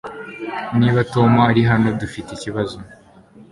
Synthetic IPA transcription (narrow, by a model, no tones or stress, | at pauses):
niːβato̞maːɾiɦano̞dufiteiciβazo